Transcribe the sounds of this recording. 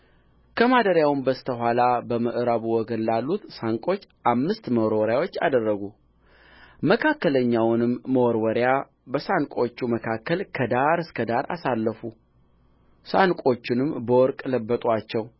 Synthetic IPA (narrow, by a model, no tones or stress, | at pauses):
kʰəmad̪əɾjawnbəst̪ʰəɦʷalabəməʔɨɾaβuwɔɡənlalːut̪saŋkʼo̞t͡ʃːʔamːɨst̪məwɾwɔɾjawo̞t͡ʃːa̰d̪ərːəɡu | məkʰakːələɲːawnɨmːəwɔɾwɔɾja | bəsankʼo̞t͡ʃːuməkʰakːəlkʰəd̪aɾɨskʰəd̪aɾʔa̰salːəfu | sankʼo̞t͡ʃːɪnɨmbəwɔɾkʼləbːət̪ʼat͡ʃːɛw